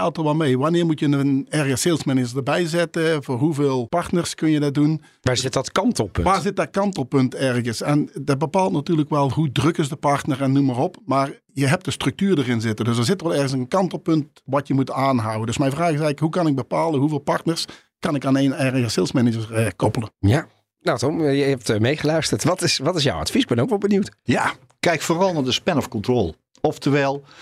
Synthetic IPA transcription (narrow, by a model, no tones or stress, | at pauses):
ɛlˠtɔlˠʋɑlˠmejʋanɪːɹmutjənənɛɹɣəselˠsmɛnɪd͡ʒəsdərbɛjzɪtəvoːrɦuveːlˠpɑrtnərskɵnjədɪt̚dun | ʋaːzɪtdɔtkɑntɔlˠpʋaːrzɪt̚dɔt̚kɑntɔlˠpɵntɛrɣəsɛndɑt̚bəpaːlˠtnatyːɹrləkʋɛlˠɦudrøkɪsdəpɑrtnərɛnːumərɔpmaːr | jəɦɛp̚tdəstrɵk̚tyːrdərɪnzɪtədøsdərzɪtəʋɛlˠɛɹɣənsənkɑntɔlˠpɵnt | ʋɑtjəmutaːnɦawəndɵsmɛjnvraːxɪsɛjkɦukɑnɪɡ̚bəpaːlˠəɦuveːlˠpɑrtnərs | kɑnɪkaːneːnɛrɣəsɪlˠsmɛnɪd͡ʒərəkɔpəlˠəja | natɔmjəɦɛp̚tmejχəlœɥstəɹtʋɑtɪsʋɑtɪs̬ja̰wɑ̰tfisɪɡ̚bɛnokʋɔlˠbəniwtja | kɛjkfoːrɑlˠnaːɹdəspɛnɔfkɔntrɔlˠ | ɔftəʋɛːlˠ